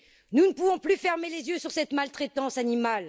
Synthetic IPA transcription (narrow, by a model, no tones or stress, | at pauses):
nunəpuvɔ̃plyfɛʁmelezjøsyʁsɛt̪malt̪χet̪ɑ̃sanimal